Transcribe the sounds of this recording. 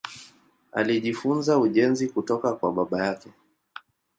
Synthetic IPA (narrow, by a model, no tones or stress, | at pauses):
a̰liʄifunzauʄɛnzikutɔkakwaɓaɓajakɛ